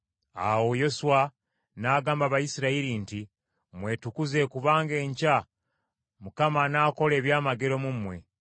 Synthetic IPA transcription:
a̰wojo̞suwa | naːɡaːmbaβajisiɾaiɾinti | mwe̞ːtukuze̞ːkuβaːŋɡe̞ːɲca | mukamanaːko̞le̞ːβjaːmaɡe̞ɾo̞mumwe̞̰

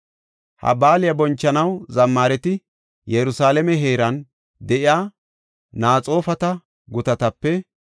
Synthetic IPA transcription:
hɐ̰baːlɪjɐbɔnt͡ʃːɐnɐwzɐmːaːɾɛt̪ɪ | jɛɾʊsaːlɛmɛɦeːɾɐn | d̪ɛʔɪaː | naːt͡sʼo̞ːfɐt̪ɐ | ɡʊt̪ɐt̪ɐpːɛ

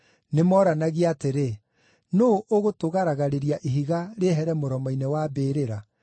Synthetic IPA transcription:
nemɔːɾanaɣiateɾe | noʔoɣotoɣaɾaɣaɾeɾiaʔiɦiɣaɾeːɦɛɾɛmoɾɔmɔinewabeːɾeɾa

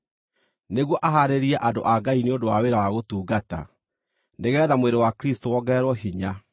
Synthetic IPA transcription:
neɣwɔʔaɦaɾeɾiaʔado̰ʔaɡaineondowaweɾawaɣotuːɡata̰ | neɣɛːðamweɾewakɾistowɔɡɛɾwɔɦiɲa

